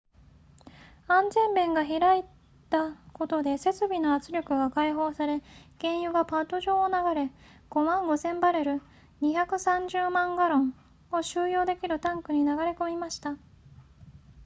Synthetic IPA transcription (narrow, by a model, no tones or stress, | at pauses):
ãnd͡ʑẽmbẽ̞ŋɡaçiɾai | t̪ako̞t̪o̞d̪e̞se̞t͡sɨbʲinoat͡sɨɾʲo̞kɯ̟ɡakaiɦo̞ːsaɾe̞ɡ̥ẽ̞ɰ̃jɯ̟ɡapat̪o̞ʑo̞ːnaɡaɾe̞ | ɡ̥o̞mãŋɡo̞zẽ̞mbaɾe̞ɾɯ̟ | ɲ̟içakɯ̟sãɲd͡ʑɨːmãŋɡaɾõ̞ɴ | o̞ɕɨːjo̞ːd̪e̞kʲiɾɯ̟t̪ãŋkɯ̟ɲ̟inaɡaɾe̞ko̞mʲimaɕi̥t̪a